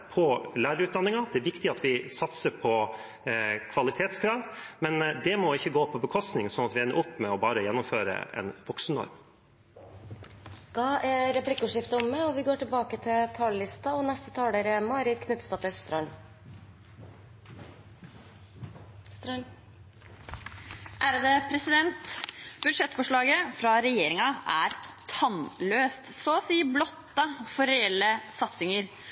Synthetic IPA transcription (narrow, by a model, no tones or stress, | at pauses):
pʰɔlæːɾəʉːt̪̚d̪ɑnːɪŋɑd̪ɛæɾʋɪkt̪ɪɑt̪ʋɪsɑt̪səpʰɔ | kʰʋɑlɪt̪ʰeːt̪skʰɾɑːʋmɛnd̪ɛmɔɪçːəɡoːpʰɔbəkʰɔst̪nɪŋsɔnɑt̪ʋɪɛnːə̰ʔʊpːmɛɔbɑːɾəjɛnːʊmføːɾə̰ɛ̰nʋɔksn̩nɔ̰ɾm | d̪̥ɑʔæɾɛplɪkːəʉːʂɪft̪əɔmːɛɔʋɪɡoːʈɪlbɑːkət̪ʰɪlt̪ʰɑːllɪst̪ɑɔnɛst̪ət̪ʰɑːɽeːɾəmɑːɾɪd̪kʰnʏt̪st̪ɑːt̪œst̪ɾɑn | ʔæːɾd̪ɛpʰɾɛsɪd̪ɛnt̪bʉʂɛt̪ːfɔʂɭɑːɡəfɾɑɾɛjeːɾɪŋɑʔæɾt̪ʰɑnløːst̪sɔsiːblɔt̪ːɑfɔɾɾɛɛlːəsɑt̪sɪŋəɾ